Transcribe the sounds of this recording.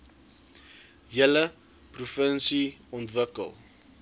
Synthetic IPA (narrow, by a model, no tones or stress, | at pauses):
jələ | prufənsiɔntvəkə̰lˠ